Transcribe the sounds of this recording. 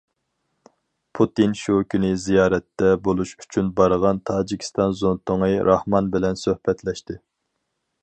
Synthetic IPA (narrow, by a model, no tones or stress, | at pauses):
pʰut̪inʃukʲynɪzijɑːɾɛt̪ːɛbolˠuʃy̥t͡ʃʰynbɑɾəʁɑnt̪ʰɑːd͡ʒikʲʰi̥st̪ɑnzont̪oŋɨɾʔɑhmɑnbɪlɛnsøhpɛt̪lɛʃt̪ɪ